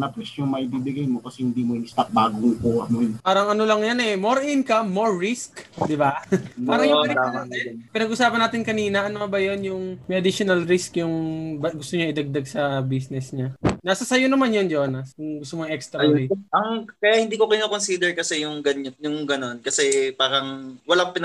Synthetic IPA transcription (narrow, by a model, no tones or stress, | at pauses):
nɐpɛsjʊŋmɐɪbibɪɡajmokɐsɛhɪnd̪iːmoʊst̪ɐk̚baːɡopoɐ̰nonpaːɾɐŋɐnolɐŋjanɛmo̞ɾʔinkɐmːoɹːiskd̪ɪbapaːɾɐŋj̪aaɛpɪnɐɡʔʊsaːpɐnaːt̪ɪnkɐniːnɐʔɐnoɐbɐjonjʊŋmɐjʔɐd̪iʃonɐlɾiskjʊŋbɐɡʊst̪oɲaʔɪd̪ɐɡ̚d̪aɡsɐbiːsnɛsɲanasɐsɐjonɐmanjond͡ʒonajʊŋɡʊst̪omoŋʔɛkst̪ɾɐliʔɐŋkɐjaʔhɪ̃nd̪iːkokɪnoːkonsiːd̪ɛɹkɐsɛjʊŋɡɐɲjʊŋɡɐno̞nkɐsɛpaːɾɐŋwɐlaŋpɪn